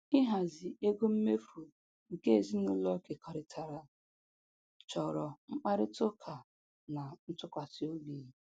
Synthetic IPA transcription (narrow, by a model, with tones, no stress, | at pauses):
ɪ˦ɦa˨zɪ˨e˦ɡo˦m̩˦me˦fu˨ | ŋ̩˨ke˦e˨zi˦nʊ˦lɔ˦ke˨ka˨ɾɪ˨tʰa˨ɾa˨ | t͡ʃɔ˨ɾɔ˨ŋ͡m̩˦k͡pa˦ɾɪ˦tʊ˦kʰa˨ | na˨n̩˦tʊ˦kʷa˨ti˦o˦bi˦˨˦